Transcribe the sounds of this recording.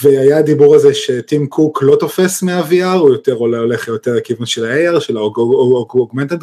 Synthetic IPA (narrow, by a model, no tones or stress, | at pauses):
veajad̪ibuʁazeʃetimkʰuklo̞t̪o̞fe̞smeaviaʁujot̪e̞ʁololeχjoteʁekivunʃelaejaʁʃelaoɡoɡoɡment̪ad̪